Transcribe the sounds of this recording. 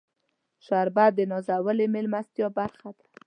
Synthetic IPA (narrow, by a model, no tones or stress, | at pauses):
ʃaɾbad̪ənɔzawəlemelmast̪jɔbaɾxad̪ḁ